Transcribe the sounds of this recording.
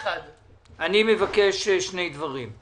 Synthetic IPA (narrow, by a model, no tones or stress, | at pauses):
anime̞vakeʃʃne̞jd̪vaʁim